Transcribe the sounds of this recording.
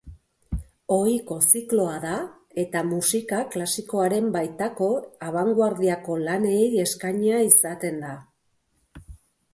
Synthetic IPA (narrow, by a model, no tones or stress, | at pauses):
o̞iko̞siklo̞aða | e̞t̪amusikaklasiko̞aɾe̞mbajt̪ako̞aβ̞aŋɡwaɾðiako̞lane̞je̞skaɲeaisat̪e̞nd̪a